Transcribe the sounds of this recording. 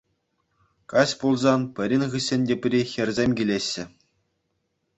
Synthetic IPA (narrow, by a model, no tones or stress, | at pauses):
kɑɕʲpulˠzɑnpʲɘ̆ɾʲinʲʁɯɕʲːɘ̆nʲdʲepʲrʲixʲɘ̆rʲzʲemʲɡʲilʲeɕːɘ̆